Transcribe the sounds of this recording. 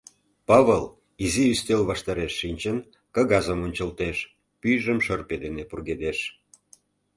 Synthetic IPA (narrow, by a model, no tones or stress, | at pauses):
pɑβəl | iziyst̪elβɑʃt̪ɑɾeʃːinʲt͡ɕən | kɑɣɑzəmonʲt͡ɕəlt̪eʃ | pyjʒəmʃərped̪enepurɣed̪eʃ